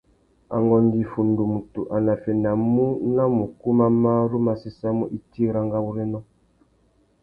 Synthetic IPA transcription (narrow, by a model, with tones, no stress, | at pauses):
a̰˨ŋɡɔ˨ndi˨fu˨ndu˨mu˨tu˨ʔa˨na˨fɛ˨na˨mu˦na˦mu˨ku˦ma˦ma˦ɾu˦ma˨si˦sa˦mu˦ʔi˦ti˦ɾa˦ŋɡa˦wu˦ɾɛ˦nɔ˦